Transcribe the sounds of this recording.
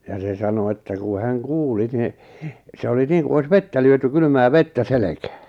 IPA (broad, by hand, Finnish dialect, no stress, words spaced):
jɑ se sɑno etːæ ku hæŋ kuːli ni se oli niːŋku ois ʋetːæ lyøty kyly̆mæː ʋetːæ selekæ̥ː